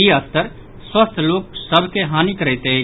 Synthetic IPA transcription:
iəst̪əɾ | swəst̪ʰlok̚səbʱkeɦanikɾəɦt̪e

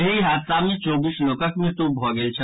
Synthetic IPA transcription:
iɦaːd̪samẽt͡ʃɔːbiːslɔːkəkmẽt̪obʱɔːɡəlt͡ʃʰɐ

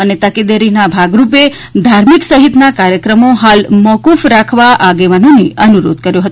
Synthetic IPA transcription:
ənet̪əked̪eɾinabʱaɡɾupe | d̪ʱaɾmiksəɦit̪nakaɾjəkɾəmoɦalmɔkufɾakʰʋaʔaɡeʋanoneʔənuɾo̰d̪̚kəɾjõɦət̪

